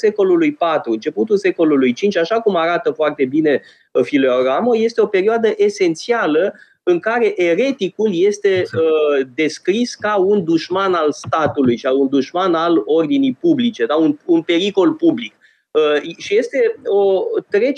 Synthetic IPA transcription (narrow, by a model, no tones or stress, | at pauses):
se̞ko̞lulujpat̪ɾuɨnt͡ʃe̞put̪ulse̞ko̞lulujt͡ʃint͡ʃʲaʃakumaɾat̪əfoart̪e̞bine̞ | fileoɾamoje̞st̪e̞o̞pe̞ɾioad̪əʔe̞se̞nt̪sialə | ɨŋkaɾe̞ʔe̞ɾe̞t̪ikulje̞st̪e̞əd̪e̞skɾiskaund̪uʃmanalst̪at̪ulujʃaund̪uʃmanalo̞rd̪inijpublit͡ʃe̞d̪aununpe̞ɾiko̞lpublik | əʃije̞st̪e̞ot̪ɾe̞